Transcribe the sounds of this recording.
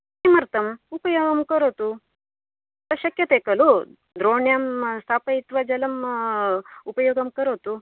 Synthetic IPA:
imɐɾt̪ɐmupɐjoːɡɐmkɐɾoːt̪u | ɐʃɐkjɐt̪eːkɐlu | d̪ɾoːɳjaːmst̪ʰaːpɐit̪ʋɐd͡ʒɐlɐm | upɐjoːɡɐmkɐɾoːt̪u

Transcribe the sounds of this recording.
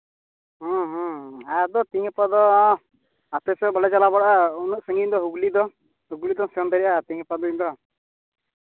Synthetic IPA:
ɦɔ̃ɦɔ̃ajad̪ɔt̪iŋpad̪ɔ | at̪ɛsɛbɔlɛt͡ʃalabaɽaunusəŋɡind̪ɔɦuɡlid̪ɔ | ɦuɡulid̪ɔsɔnd̪ɔɾiʔat̪iŋpad̪ɔind̪ɔ

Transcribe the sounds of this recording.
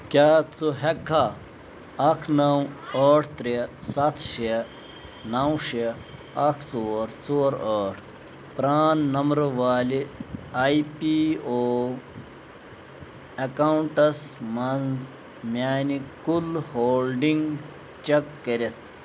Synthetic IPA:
kʲaːt͡suɦekʰːa | ɐkʰnɐwɐːʈʰt̪ɾesɐt̪ʰʃe | nɐwʂe | ɐkʰt͡soːɾt͡soːɾɐːʈʰ | pɾaːnːɐmɾʋaːliajpioː | ɐkɐuɳʈɐsmɐnz | mjaːnikulhoːlɖiŋɡ | t͡ʃekːɐɾet̪̚ʰ

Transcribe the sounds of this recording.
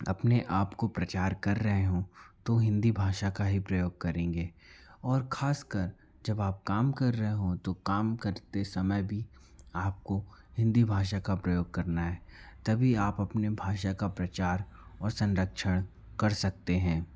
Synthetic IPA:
ɐ̰pneʔaːpkopɾɐt͡ʃaːɾkɐɾːɐɦeɦõt̪oɦɪ̃nd̪ibʱaːʃakaɦipɾɐjoːɡ̚kɐɾẽːŋɡeː | ɔːɾkʰaːskəɾ | d͡ʒɐbaːp̚kaːmkɐɾːɐɦeɦõt̪okaːmkɐɾt̪esɐməjbʱi | aːp̚kohɪ̃nd̪ibʱaːʃ̬akapɾɐjoːɡ̚kɐɾnaɦɛːt̪ɐbʱiaːpɐpnebʱaːʃakapɾɐt͡ʃaːɾ | ɔːɾsɐ̃nɾəkʃəɽ̃ | kɐɾsɐk̚t̪eɦɛ̃ː

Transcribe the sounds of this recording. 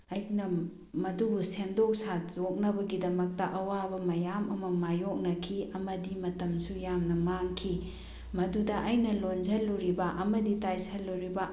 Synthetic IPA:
ɐjnɐ | mɐdubusendok̚sazok̚nɐbɐɡidɐmɐk̚tɐʔɐwabɐmɐjamɐmɐmajok̚nɐkʰiɐmɐdimɐtɐmsujamnɐmaŋkʰi | mɐdudɐʔɐjnɐlonzɐlːuɾibɐʔɐmɐditajsɐlːuɾibɐ

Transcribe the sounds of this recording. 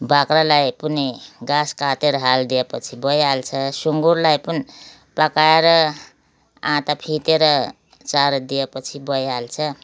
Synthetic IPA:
bakɾalajpuneɡãskat̪eɾʌɦald̪ijepʌt͡sʰibʌjalt͡sʰʌsuŋɡuɾlajpʌni | pakaeɾʌ | ãt̪apʰit̪eɾʌ | t͡saɾd̪ijepʌt͡sʰibʌjɦalt͡sʰʌ

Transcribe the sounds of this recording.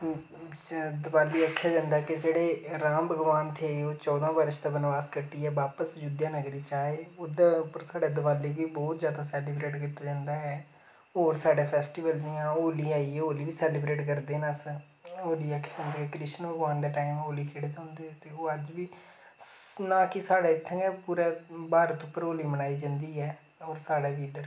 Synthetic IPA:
d̪əbaːlːiːəkʰːjaːd͡ʒãːnd̪aːkɪd͡ʒeːɽeːɾãːmbəɡʋaːnt̪ʰeːoːt͡ʃɔːd̪ãːbəɾʃd̪aːbənʋaːskəʈːiːɛːʋaːpəsd͡ʒʊd̪jaːnəɡɾiːt͡ʃaːeːoːd̪aʊpəɾsaːɖeːd̪əbaːlːiːkiːbɔːt̪zjaːd̪aːsɛːlɪbɾeːʈkɪt̪aːd͡ʒãːnd̪aːɦɛː | oːɾsaːɖeːpʰɛːsʈiːʋəld͡ʒijãːoːliːaːiːɛːoːliːʋiːsɛːlɪbɾeːʈkəɾd̪eːnas | oːliːɛːkɪ̥kə̃nd̪eːɛkɾɪʃənʋəɡʋaːnd̪eːʈaːimoːliːkʰeːɽet̪ɦõːnd̪eːɛːt̪eːoːəd͡ʒʋiː | nãːkɪsaːɽaːɪt̪ʰːə̃ɡɛːpuːɾɛːbaːɾət̪ʊpːəɾoːliːmənaːiːd͡ʒə̃ːnd̪iːɛː | ɔːɾsaːɽeːbiːɪd̪əɾ

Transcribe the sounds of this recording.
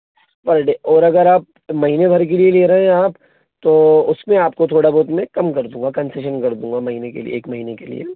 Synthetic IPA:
pɐɾɖeɔːɾɐɡəɾaːp̚ | mɐɦiːnebʱɐɾk̬elieleːɾɐɦɛ̃aːp | t̪oːʊsmẽaːpkot̪ʰoːɽaboːt̪mẽkɐmkɐɾd̪ũːŋɡakɐ̃nseːʃənkɐɾd̪ũːŋɡamɐɦiːnekḛlḭḛeːkmɐɦiːnekelḭḛ

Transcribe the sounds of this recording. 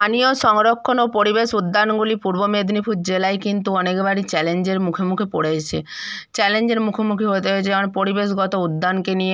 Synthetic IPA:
anijoʃɔŋɾokʰːonopoɾibeʃud̪ːanɡulipuɾbomed̪nipʰut̪̚d͡ʑelaekint̪uɔnekbaɽit͡ɕɛlend͡ʑeɾmukʰomukʰipoɽet͡ɕʰet͡ɕɛlend͡ʑeɾmukʰomukʰiɦot̪̬eɦot͡ɕʰeonpoɾibeʃɡɔt̪oud̪ːankenije

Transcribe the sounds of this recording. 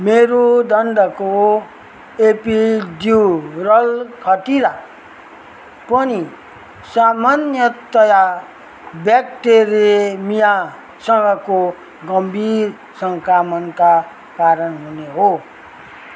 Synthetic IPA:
meɾod̪ʌnɖʌko | epidirʌlkʰʌtiɾa | pʌni | samanjʌt̪ʌja | bjakʈeɾiemija | sʌ̃ŋɡʌko | ɡʌmbʱiɾ | sʌŋkamʌnka | kaɾʌnɦuneɦo

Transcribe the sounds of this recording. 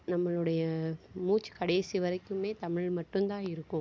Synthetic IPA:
nɐmːɐɭɯɽɐjɐmuːt͡ʃːɯ̥kɐɽɐːsiʋɐɾɐkːɯmeːt̪ɐmɪɻmɐʈːɯnt̪ãːɪɾɯkːʊ̃m

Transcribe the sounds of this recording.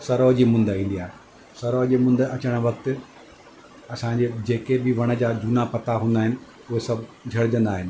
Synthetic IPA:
sɐɾɔːɦd͡ʑiːmʊ̃nd̪əĩːnd̪iaːɦe | sɐɾɔːɦd͡ʑiːmʊ̃nd̪əɐt͡ɕəɽ̃̆ʋɐk̚t̪ɪ | ɐsãd͡ʑeːd͡ʑeːkebɪʋɐɽ̃ə̆d͡ʑaːd͡ʑʊnapɐt̪aɦũːn̆d̪aːɦɪnɪ̆ | ʊɦesɐbʱd͡ʑʱɐɽɪd͡ʑə̃nd̪aːɦɪnɪ̆

